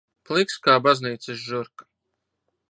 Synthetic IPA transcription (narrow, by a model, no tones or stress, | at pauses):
plˠikskaːbazniːt̪sɨsʒuɾk